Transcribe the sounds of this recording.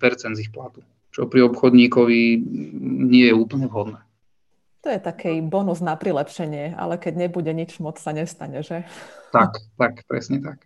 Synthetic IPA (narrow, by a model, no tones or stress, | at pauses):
pɛɾt͡sɛnd̪zixplat̪u | t͡ʃɔpɾiɔpxɔd̪ɲiːkɔʋi | ɲɪɛjɛuːpl̩ɲɛvɦɔd̪nɛː | t̪ɔjɛt̪akʰɛjbɔnuznapɾilɛpʃɛɲɪɛa̰lɛkɛɟɲɛbuɟɛɲit͡ʃmɔt͡ssaɲɛst̪aɲɛʒɛt̪akt̪akpɾɛ̰sɲɛt̪ak